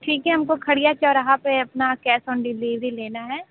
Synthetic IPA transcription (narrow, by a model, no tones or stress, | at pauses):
ʈʰiːkɦɛɦɐmkokʰɐɽijat͡ʃɐlɾɐɦapeɐpnakɛːsɔːnɖɪliːʋɾileːnaɦɛː